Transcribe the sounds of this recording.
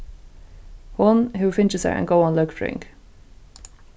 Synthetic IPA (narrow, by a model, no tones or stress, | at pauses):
wʌnɦʉfɪ̃nt͡ʃəzə̰ɹʔə̰̃nɡoʊə̃nlʊkdɹɪ̰̃ŋk